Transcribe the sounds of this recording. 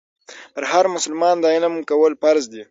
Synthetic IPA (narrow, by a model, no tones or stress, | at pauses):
pəɾhaɾmʊsəlmɑnd̪ɑjinamukawəlpaɾzd̪i